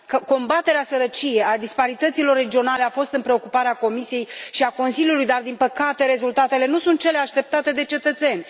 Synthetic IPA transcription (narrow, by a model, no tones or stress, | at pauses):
kəko̞mbat̪e̞ɾeasəɾət͡ʃije̞jad̪ispaɾit̪ət̪silo̞rːe̞d͡ʒio̞nale̞afo̞st̪ɨnpɾe̞o̞kupaɾeako̞misie̞jʃiako̞nsiljulujd̪ard̪inpəkat̪e̞ɾe̞zult̪at̪e̞le̞nusunt̪̚t͡ʃe̞leaʃt̪e̞p̚t̪at̪e̞d̪e̞t͡ʃe̞t̪ət̪se̞nʲ